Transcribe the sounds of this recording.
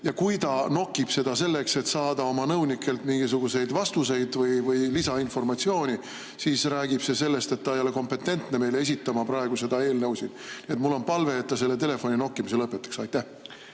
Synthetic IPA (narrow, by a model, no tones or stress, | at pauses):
jɑkujt̪ɑno̞kːˑib̥se̞d̪ɑse̞lːekse̞t̪sɑːd̪̥ɑo̞mɑnɤwnikːˑe̞lt̪miŋɡ̥isuɡ̥use̞jd̪vɑst̪use̞jd̪̥vɤjvɯjlisɑinfo̞rmɑt̪sio̞ːnʲi | siːsræːɡ̥ib̥se̞se̞lːe̞st̪e̞t̪ːɑejo̞le̞ko̞mpe̞t̪ːe̞nt̪ne̞me̞jle̞e̞s̬ʲit̪ːˑɑmɑprɑeɡ̥use̞d̪ɑe̞ːlnɤwsinniet̪mulːo̞npɑlve̞ːt̪ːɑse̞lːe̞t̪e̞le̞fo̞nʲino̞kːˑimiselɤpːˑet̪ːˑɑ̥ksɑjt̪ːæh